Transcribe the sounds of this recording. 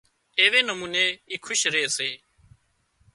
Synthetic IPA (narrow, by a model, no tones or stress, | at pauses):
eːʋeːnəmuːneːiːkʰʊʃɾeːseː